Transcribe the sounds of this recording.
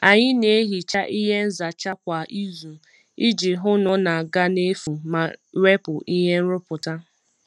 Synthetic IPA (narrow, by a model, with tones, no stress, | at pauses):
a˨ɲɪ˦ne˨e˦ɦi˨t͡ʃa˦ʔi˦ɦe˦n̩˦za˨t͡ʃa˦kʷa˨ʔi˦zu˨ | i˦d͡ʒɪ˨ɦʊ˦nʊ˨na˨ɡa˦ne˦fu˨ma˨ɾe˦pʊ˨ʔi˦ɦe˦n̩˦ɾʊ˦pʊ˨ta˦